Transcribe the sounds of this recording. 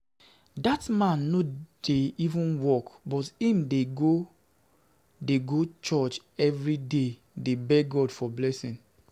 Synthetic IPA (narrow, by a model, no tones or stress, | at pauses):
datmãnːod̥eivũnwɔkbɔtĩmdeɡo | deɡot͡ʃɔt͡ʃ | ɛvɹide | debɛɡɔdfɔblɛsĩn